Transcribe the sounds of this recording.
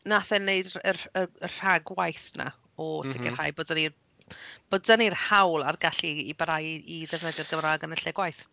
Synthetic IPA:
naθɛneɨdəəər̥aɡwajθna̰ | ɔsɪɡɛ̰rhajboːdənir | b̥oddənir̥hawlˠarɡaɬiːbaɾajiðɛvnədɛrɡəmraɡənəɬɛɡwajθ

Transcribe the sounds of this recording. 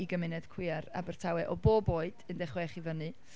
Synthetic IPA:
iɡəmɪnɛd̥kʰw̥ɪaɾa̰bərtʰawɛʔɔboːboːɨd̥əndɛχwɛχivənɨ

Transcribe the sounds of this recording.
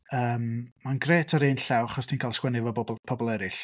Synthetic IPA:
əːmːanɡreːtʰaɾɪːnɬɛwaχɔstʰiːnkʰaːlˠskwɛnɪvɔbɔbɔpʰɔbɔlˠɛɾɪɬ

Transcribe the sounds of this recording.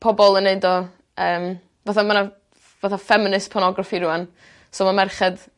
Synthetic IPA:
pʰɔbɔlˠənːeɨdɔ | əːm | vaθamana | vaθafɛmɪnɨspʰɔnɔɡrafiɾuan | soːmamɛrχɛd̥

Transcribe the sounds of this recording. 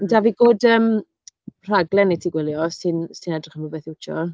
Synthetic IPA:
ndaviːɡoːdəːm | pʰr̥aɡlɛnejtʰiɡwɪlˠjɔsɨnsɨnɛdrɪχəmubeːθɪwt͡ʃʰɔ̰

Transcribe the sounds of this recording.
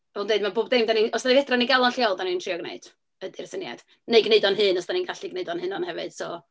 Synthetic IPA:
ɛlˠundeɨdmaboːbdejmdaninɔsdavɛdraniɡɛlˠɔnɬjalˠdanintʰriɔɡnḛɨd̥ | ədirsənja̰d̥ | neɨɡneɨdɔnɦɨnɔsd̥aninɡaɬiɡneɨdɔnhɨnɔnhɛvɨd̥sɔː

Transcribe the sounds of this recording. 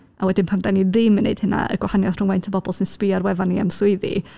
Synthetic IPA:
awɛdɪnpʰamdaniðɪmənḛd̥həna̰ə̰ɡwahanjaðr̥ʊŋwajntʰəbɔbɔlˠsɪnspɪaɾwɛvania̰mswʊɨðḭ

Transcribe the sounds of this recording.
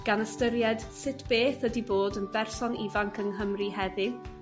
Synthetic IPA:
ɡ̥anəstəɾjɛd̥sɪtʰb̥eːθədiboːdənbɛrsɔnivaŋkʰənɦəmrihɛði

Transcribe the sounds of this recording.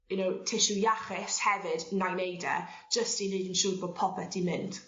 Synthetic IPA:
junowtʰɪʃujaχɪshɛvɨdnajnejdɛ̰̥d͡ʒ̥əstinedənʃuːdboːd̚pʰɔpɛtimɪnd̥

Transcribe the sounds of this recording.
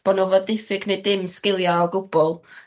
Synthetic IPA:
b̥ɔnɔvɔdɪfɪɡnejdɪmskɪlˠjaɔɡʊb̥ɔlˠ

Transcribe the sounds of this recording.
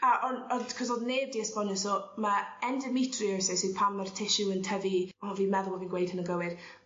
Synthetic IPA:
aʔɔnɔkʰɔsɔðneːb̚diəspɔnəsɔmaɛndəmitʰriəsɛsiðpʰamːartʰɪʃuəntʰəviɔɔvinmɛðʊlˠɔviːnɡwejd̥hənəɡəwɪd̥

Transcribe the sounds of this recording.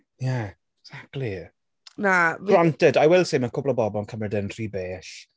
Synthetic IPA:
ja | ɡ̥z̥ak̚tʰˡli | nav̥rantɛdajwɛlˠsejmakʰʊblˠɔbɔbɔnkʰəmrɛdənr̥iːbeːɬ

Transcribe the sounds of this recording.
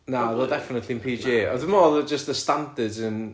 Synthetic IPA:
naðɛdɛfɪnətʰlˠiənpʰiːd͡ʒeːɔ̰ðəmɔːðəd͡ʒəstəstãndədzən

